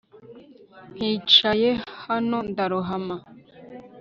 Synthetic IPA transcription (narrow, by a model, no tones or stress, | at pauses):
n̥hit͡ʃajehanondaɾuɦama